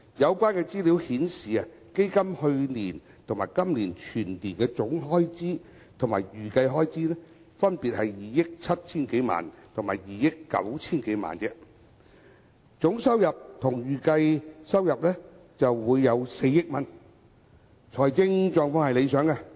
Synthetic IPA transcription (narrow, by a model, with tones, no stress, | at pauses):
jɐ˨˧wkʷaː˥nkɛ˧t͡siː˥li˨˥whiː˨˥nsiː˨ɐ˨ | ke˥jkɐ˥mhɵ˧ɥniː˨˩n | t̪ʰʊ˨˩ŋmaː˨˩jkɐ˥mliː˨˩nt͡ʃʰyː˨˩nt̪iː˨˩nkɛː˧t͡sʊ˨˥ŋɦɔː˥jt͡siː˥ | t̪ʰʊ˨˩ŋmaː˨˩jyː˨kɐ˧jɦɔː˥jt͡siː˥nɛ˥ | fɐ˥npiː˨t̚hɐ˨jːiː˨jɪ˥k̚t͡sʰɐ˥t̚t͡sʰiː˥nke˨˥jma̰ː˨nt̪ʰʊ˨˩ŋma̰ː˨˩jjiː˨jɪ˥kːɐ̰˨˥wt͡sʰiː˥nke˨˥jma̰ː˨nt͡sɛː˧ | t͡sʊ˨˥ŋsɐ˥wjɐ˨p̚t̪ʰʊ˨˩ŋjyː˨kɐ˧jsɐ˥wjɐ˨p̚lɛː˥ | t͡sɐ˨wwuː˨˧jːɐ˨˧wse˧jːɪ˥k̚mɐ˨n | t͡ʃʰɔː˨˩jt͡sɪ˥ŋt͡ʃɔː˧ŋfɔː˧˥ŋhɐ˨jle˨˧jsœː˨˥ŋka˧